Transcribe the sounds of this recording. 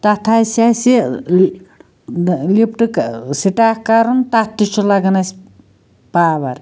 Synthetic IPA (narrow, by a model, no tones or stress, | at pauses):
t̪ɐt̪ʰasasi | lip̚ʰʈɨksiʈaːkkaɾunt̪at̪ːut͡ʃʰulɐɡɐnɐs | paːʋɐɾ